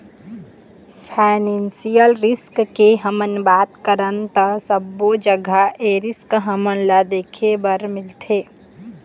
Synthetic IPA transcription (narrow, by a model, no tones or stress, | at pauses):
pʰaɪnẽnsijəlɾɪskkeɦəmənbaːt̪kəɾənt̪əsəbod͡ʒəɡʱaʔeɾɪskɦəmənlad̪eːkʰebəɾmɪlt̪ʰeː